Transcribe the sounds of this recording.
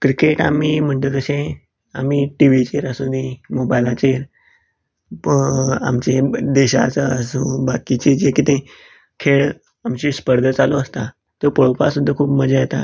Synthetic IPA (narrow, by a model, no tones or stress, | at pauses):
kɾikeʈa̰miːm̤əɳt̪ət̪əɕẽ | amiʈiʋ̤it͡ɕeɾəsũd̪ĩmobajlat͡ɕeɾ | a̰mt͡ɕed̪eɕa̰t͡səəsũbakit͡ɕed͡ʑekit̪ẽ | kʰeɭ | amt͡ɕispəɾd̪ʱət͡saloəst̪a | t̪əpəɭopasud̪ʱːəkʰuːpməd͡zajet̪a̰